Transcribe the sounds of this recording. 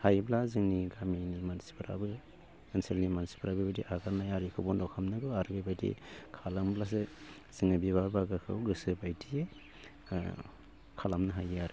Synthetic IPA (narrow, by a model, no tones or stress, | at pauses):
hajblazɯŋniɡaminimansi̥pʰaɾa̰bɯ | enselnimansi̥pʰaɾabɯbadiʔaɡaɾnajaɾikʰɯbɔndɔkʰamnɯɡɯaɾɯbabadḭkʰalamblas̬e | z̥ɯŋnabibabaɡakʰɯ̰wɡɯsɯbajdie | kʰalamnɯɦajaɾɯ